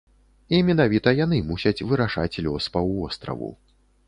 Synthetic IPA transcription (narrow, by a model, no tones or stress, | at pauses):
imʲɛnavʲit̪ɐjanɨmusʲɐt͡sʲvɨɾaʂa̰t͡sʲlʲɔspɐvɔst̪ɾɐ̰vṵ